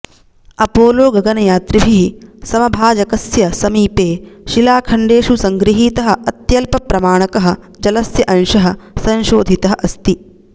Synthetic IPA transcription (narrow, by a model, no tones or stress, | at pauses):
ɐpoːloːɡɐɡɐnɐjaːt̪ɾibʱiɦisɐmɐbʱaːd͡ʒɐkɐsjɐsɐmiːpeːʃilaːkʰɐɳɖeːʃusɐŋɡɾiɦiːt̪ɐɦɐ̆ɐt̪jɐlpɐpɾɐmaːɳɐkɐɦɐ̆ | d͡ʒɐlɐsjɐʔɐnʃɐɦɐsɐ̃nʃoːd̪ʱit̪ɐɦɐʔɐst̪i